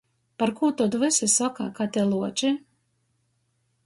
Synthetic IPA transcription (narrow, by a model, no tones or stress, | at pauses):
paɾkuːt̪ɔd̪vɨsisaka̰kat̪ʲɛlˠuɔt͡ʃi